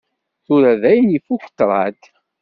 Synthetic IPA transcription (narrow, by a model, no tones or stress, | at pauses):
θuɾæðæjənifukə̥t̪ːɾˤɑ̰t̪